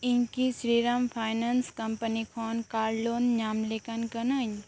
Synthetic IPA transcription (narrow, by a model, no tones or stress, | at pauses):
inkisɾiːɾampʰaːjnanskɐmpənikʰɔːnkaːɾlonɲaːmlekankənəɲ